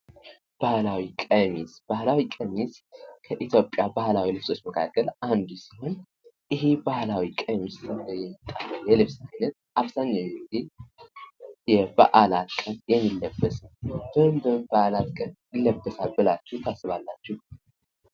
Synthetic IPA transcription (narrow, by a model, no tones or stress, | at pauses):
b̥ahlawikʼəmisb̥ahlawikʼəmiskʰəʔit̪jo̞pʼːjabahlawilɨβso̞t͡ʃːməkʰa̰kʰːəlʔand̪usi̥ho̞n | ʔɨɦebahlawikʼəmist̪ʰəɡəjɛmːit̪ʼːaɾəjɛlɨβsajnət̪̚ʔaβzaɲːawɡɨd̪i | jɛba̰ʔalat̪kʼənjɛmːilːəbːəsəb̥əɨmb̪əmbaʔalat̪kʼənjɪlːəbːəsalbɨlat͡ʃːɛwt̪ʰasːɨβalːat͡ʃːɛh